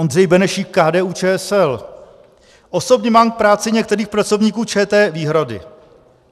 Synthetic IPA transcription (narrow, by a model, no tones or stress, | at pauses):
ondrɛjbɛnɛʃiːkkːaːdɛːʔuːt͡ʃɛːɛsɛl | ʔo̞so̞bɲɛmaːmk̚pɾaːt͡sɪɲɛk̚t̪ɛɾiːxpɾat͡so̞vɲiːkuːt͡ʃɛːt̪ɛːviːɦɾadɪ̰